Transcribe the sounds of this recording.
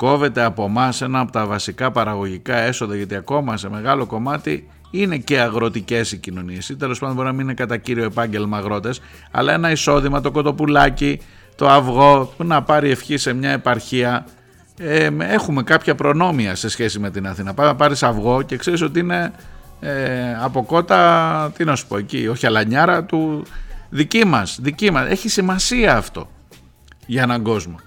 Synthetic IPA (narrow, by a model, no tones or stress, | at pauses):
ko̞ve̞t̪e̞ɐpo̞mɐse̞nɐːpo̞t̪ɐvɐsikɐpɐɾɐɣo̞ʝikɐe̞soðɐʝɐt̪iɐko̞mɐse̞me̞ɣɐlo̞ko̞mɐt̪i | ine̞ce̞ɐɣɾo̞t̪ice̞sicino̞nie̞sit̪e̞lopɐnd̪ob̞ɾinɐmininekɐt̪ɐciɾio̞epɐɲɟe̞lmɐɣɾo̞t̪e̞s | ɐ̰lɐe̞nɐiso̞ðimɐt̪o̞ko̞t̪o̞pulɐci | t̪o̞ɐvɣo̞pnɐpɐɾie̞fçise̞mɲɐe̞pɐɾçiɐ | ee̞xume̞kɐpçɐpɾo̞no̞miɐse̞sçe̞sime̞t̪inɐθinɐpɐɐpɐɾisɐvɣo̞ce̞kse̞ɾiso̞t̪iine̞ | ɐpo̞ko̞t̪ɐt̪inɐsu̥po̞ecioçiɐlɐɲɐɾɐt̪u | ðicimɐsðicimɐse̞çisimɐsiɐːft̪o̞̰ | ʝɐe̞nɐɡo̞zmo̞